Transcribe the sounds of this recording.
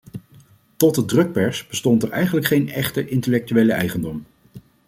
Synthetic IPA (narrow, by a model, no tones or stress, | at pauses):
tɔtədrɵk̚pɛɹsb̥əstɔntɛɹɛjχənləkχejnɛχtəʔɪntəlɛk̚tyʋejləʔɛ̰jχəndɔm